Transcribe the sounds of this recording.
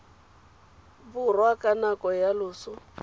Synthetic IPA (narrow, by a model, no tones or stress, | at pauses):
bʊrwakʼanakʼɔjalʊːsʊ